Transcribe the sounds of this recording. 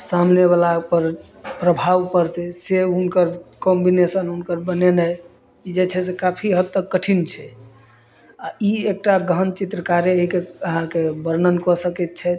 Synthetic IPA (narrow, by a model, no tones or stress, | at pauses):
samneβalapəɾ | pɾəbʱaʋkəɾt̪ɛseunkəɾkɔmbinesənunkəɾbənenɛj | id͡ʒet͡ʃʰɛsekapʰiɦəd̪t̪əkːəʈʰint͡ʃʰɛ | aiek̚ʈaɡəənt͡ʃit̪ɾəkaɾeəɦikeəɦãkebəɾnənkɔsəkɛt̪̚t͡ʃʰɛ